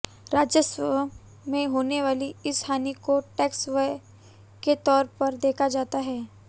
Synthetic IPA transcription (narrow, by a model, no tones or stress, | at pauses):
ɾaːd͡ʒjəsə | mẽɦoːneʋaːliɪsʰaːnikoʈɛːksʋe | ket̪ɔːɾpɐɾd̪eːkʰad͡ʒaːt̪aɦɛː